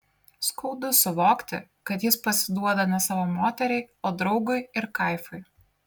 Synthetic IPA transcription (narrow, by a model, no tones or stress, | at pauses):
skɐʊd̪ʊsʊʋoːkt̪ʲɪ | kɐt̪jɪspɐsʲɪd̪uɔd̪ɐnʲɛsɑːʋoːmoːt̪ʲɛɾʲɛɪoːd̪ɾɒʊɡʊɪɪɾkɐɪfʊɪ